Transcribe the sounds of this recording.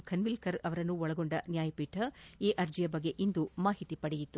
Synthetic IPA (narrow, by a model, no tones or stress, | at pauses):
kʰɐnʋilkɐɾɐʋɐɾɐnːuɔɭɐɡo̞ɳɖɐnjaːjɐpiːʈʰɐiːʔɐɾd͡ʒijɐbɐɡːe̞ʔind̪umaːɦit̪ipɐɽejit̪ːu